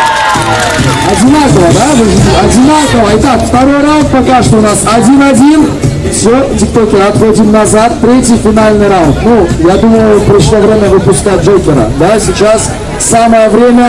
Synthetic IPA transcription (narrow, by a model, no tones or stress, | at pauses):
ɐdʲɪnakəvəd̪avɨzʲɐdʲɪnakəvəɪt̪akft̪ɐɾo̞jrawnt̪̚pɐkaʂt̪oʊnasɐdʲinɐdʲin | fsʲotʲɪk̚t̪okʲɪɾɐt̪xodʲɪmnɐzat̪ːɾʲetʲjɪjfʲɪnalʲnɨjɾaʊnt̪nujad̪uməjʊpɾʲɪʂlˠovɾʲemʲəvɨpʊskat̚ʲʐokʲɪɾə̰d̪asʲɪt͡ɕas | saməjəvɾʲemʲə